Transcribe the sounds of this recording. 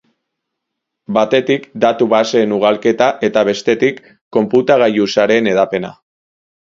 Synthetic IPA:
bat̪e̞t̪ikd̪at̪uβaseːnuɣ̞alke̞t̪aʔe̞t̪aβ̞e̞st̪e̞t̪ikː | o̞mput̪aɣ̞ajusaɾe̞ne̞ðape̞na̰

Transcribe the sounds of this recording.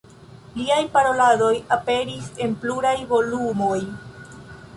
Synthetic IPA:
liajpaɾo̞lado̞jape̞ɾise̞npluɾajvo̞lumo̞j

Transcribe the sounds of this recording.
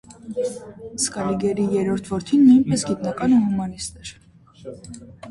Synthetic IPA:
skʼɑliɡɛɾijɛɾɔɾt̪ʰvɔɾt̪ʰinmiimpʰɛsɡit̪nɑkʼɑnuɦumɑnist̪ʼɛɾ

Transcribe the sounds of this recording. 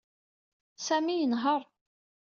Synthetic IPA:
sæmijənɦəɾˤ

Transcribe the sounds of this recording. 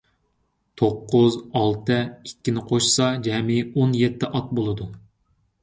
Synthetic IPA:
t̪ʰoqːʊzɑlˠt̪ʰɨikʲːinɪqʰoʃsɑd͡ʒɛmɪonjet̪ʰːɪʔɑt̪̚bolˠɨd̪u

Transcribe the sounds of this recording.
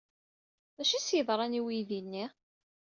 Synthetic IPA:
æʃisjəðˤɾˤɑniwiðinːi

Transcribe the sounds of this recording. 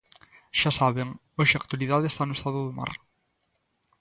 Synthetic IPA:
ʃasaβeŋ | oʃɪak̚t̪waliðaðest̪anʊest̪aðʊðʊma̰ɾ

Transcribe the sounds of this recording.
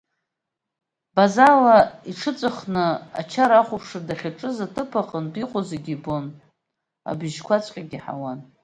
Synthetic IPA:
bazalaiʈ͡ʂʰɨt͡sʼɨχnɨa̰t͡ʃʰaɾaχʷʊpʰʂɨrdaχʲaʈ͡ʂʼɨzatʰɨpʰaqʼəndiqʷʼozeɡʲibon | a̰biʒkʷat͡sʷʼqʲʼaɡʲiħa̰wan

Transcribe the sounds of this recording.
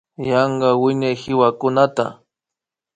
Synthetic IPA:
jɑɴɢɑwɪɲajhɪwakʊnat̪a̰

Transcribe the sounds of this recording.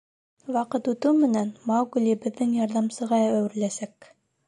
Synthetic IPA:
wɑqɤt̪ʉt̪ɘwmɘ̆nænmɑwɡɵ̆lʲɘ̆bɘ̆ðːɘŋjɑɾðɑmsɤ̆ʁɑæwɘ̆ɾlæsæk

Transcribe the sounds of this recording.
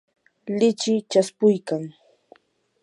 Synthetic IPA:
lɪt͡ʃɪt͡ʃaspʊjkaŋ

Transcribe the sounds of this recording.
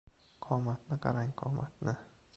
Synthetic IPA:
kʰɔmat̪̚naka̰ɾaɲkɔ̰mʔa̰t̪na

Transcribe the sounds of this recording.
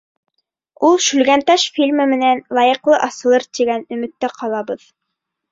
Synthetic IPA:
ulˠʃʉlɡænt̪ɑʃfʲilʲmɘmɘ̆nænlˠɑjɤ̆qlˠɤʔɑsɤ̆lˠɤɾt̪iɡænɵ̆mɘ̆t̪ːæqʰɑlˠɑbɤð

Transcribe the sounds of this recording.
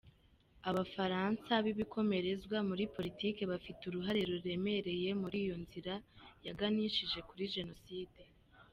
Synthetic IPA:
aβafaɾansaβiβikʰo̞me̞ɾe̞zɡwamuɾipo̞ɾitiːke̞βafituɾuɦaɾe̞ɾuɾe̞me̞ɾe̞je̞muɾiːjo̞nziɾajaɡaniʃiʒe̞kuɾiʒe̞no̞siːde̞

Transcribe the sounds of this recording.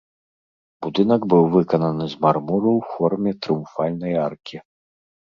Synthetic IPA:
b̥ud̪ɨnɐɡbɨwvɨkɐnɐnɨzʲmarmuɾɐwfɔrmʲɛt̪ɾɨumfalʲnɐjarkʲi

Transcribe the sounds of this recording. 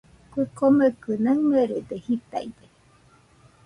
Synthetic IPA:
kʷikomekɨnəmeɾed̪ehit̪a̰id̪e

